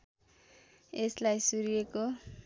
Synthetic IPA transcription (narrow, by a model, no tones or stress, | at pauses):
eslajsuɾijeko